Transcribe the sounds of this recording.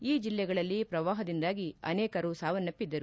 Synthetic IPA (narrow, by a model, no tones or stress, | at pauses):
iːd͡ʒilːɛɡɐɭɐlːipɾɐʋaːɦɐd̪ind̪aːɡiɐ̰nɛːkɐɾusaːʋɐnːɐpːid̪ːɐɾu